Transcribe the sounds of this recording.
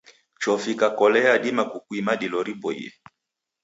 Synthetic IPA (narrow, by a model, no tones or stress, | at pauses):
t͡ʃɔfikakɔlɛaɗimakukwimaɗilɔɾibɔḭɛ̰